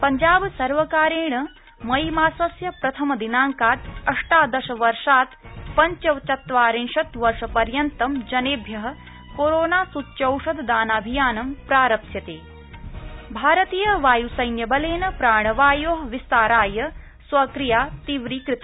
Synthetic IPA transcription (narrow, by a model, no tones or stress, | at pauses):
pɐɲd͡ʒaːbsɐɾʋɐkaːɾeːɳɐ | mɐjmaːsɐsjɐpɾɐt̪ʰɐmɐd̪inaːŋkaːt̪ɐʂʈaːd̪ɐʃɐʋɐɾʂaːt̪pɐɲt͡ʃɐʋt͡ʃɐt̪ʋaːɾinʃɐt̪ʋɐɾʂɐpɐɾjɐnt̪ɐmd͡ʒɐneːbʱjɐɦɐ̆ | koːɾoːnaːsut̪ːt͡ʃɐwʂɐd̪d̪aːnaːbʱijaːnɐmpɾaːɾɐpt̪jɐt̪eː | bʱaːɾɐt̪iːjɐʋaːjusɐjnjɐbɐleːnɐpɾaːɳɐʋaːjoːɦɐʋist̪aːɾaːjɐ | sʋɐkɾijaːt̪iʋɾiːkɾɪt̪i